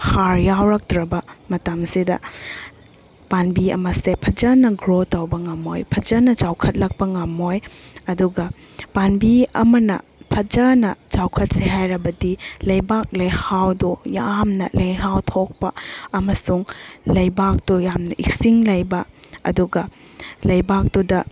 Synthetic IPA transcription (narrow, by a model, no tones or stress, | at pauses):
haɾjawɾɐk̚dɾɐbɐmɐtamsidɐ̰ | panbiɐ̰mɐsepʰɐd͡ʒɐnɐɡɾotawbɐŋamo̰jpʰɐd͡ʒɐnɐd͡ʒawkʰɐt̚lɐk̚pɐŋamojɐduɡɐ | panbiɐ̰mɐnɐ̰pʰɐd͡ʒɐnɐt͡ʃawkʰɐt̚seɦajɾɐbɐdilɐjbak̚lɐjhawdujamnɐ̰lɐjɦawtʰok̚pɐɐmɐsuŋlɐjbak̚dujamnɐʔḭksiŋlɐjbɐ̰ːduɡɐ | lɐjbak̚dudɐ